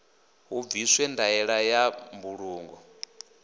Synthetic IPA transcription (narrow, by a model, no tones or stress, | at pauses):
ɦuviswɛndaɛɺajambuɺuːŋɡɔ